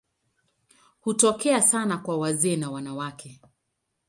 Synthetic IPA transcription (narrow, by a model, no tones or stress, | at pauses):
hutɔkɛasanakwawazɛːnawanawakʰɛ